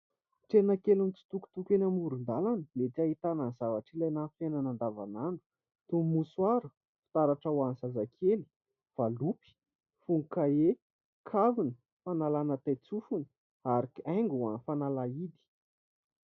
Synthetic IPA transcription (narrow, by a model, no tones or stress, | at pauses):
ʈ͡ʂenəkelunt͡si̥t̪uku̥t̪ukʲenəmuɾund̪alanəmet̪iaɦit̪ananz̥avaʈ͡ʂilajnanfenanand̪avananu̥ | t̪umuswaɾu | fi̥t̪aɾaʈ͡ʂawansazakʰeli̥ | v̥alupi̥ | fuŋukae | kʰavinə̥ | fanalanət̪ajt͡sufunə̥ | aɾikaŋɡuanfanalaid̪i̥